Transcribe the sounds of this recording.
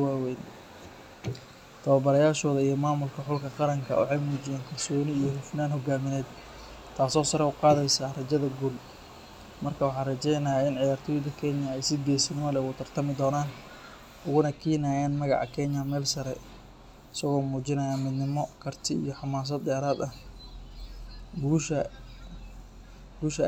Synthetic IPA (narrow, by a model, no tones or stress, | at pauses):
waːwɛjn | t̪ʰɐwɐbɐɾɐjaːʃɔːðɐijɔmaːmʊlkʰɐħʊlkʰɐqɑɾɐŋkʰɐ̰ʊ̰ħɛjmuːt͡ʃɪjɛːŋkʰɐrsɔːnɪːjɔhʊfnaːnɦɔɡaːmɪnɛːd̪ | t̪ʰːaːsɔːsɐɾɛʊqɑːðɛjsaːrɐt͡ʃɐðɐɡul | mɐrkʰɐwɑħɑːnrɐt͡ʃɛjnɐaɪnʕɪjaːrt̪ʰɔːjɪd̪ɐkʰɛnjɐɛjsɪɡɛːsɪnɪmɐlɛʊɣʊt̪ʰɐrt̪ʰɐmɪd̪ɔːnaːn | ʔʊɣʊnɐkʰiːnaːjaːnmɐɣɑ̰ʕɑ̰kʰɛɲɐmɛːlsɐɾɛ | ɪsɐɣɔːmuːt͡ʃɪnɐjaːmɪd̪nɪmɔkʰɐrt̪ʰɪḭjɞħɑmaːs̬ɐd̪d̪ɛːɾaːd̪ɐh | ɡuːʃɐ | ɡuːʃɐ